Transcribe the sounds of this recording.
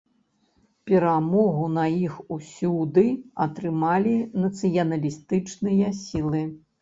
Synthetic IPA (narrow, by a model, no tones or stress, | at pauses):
pʲɛɾamɔɣunɐixusʲud̪ɨɐt̪ɾɨmalʲinɐt̪sɨjɐnɐlʲist̪ɨt͡ʂnɨjɐsʲilˠɨ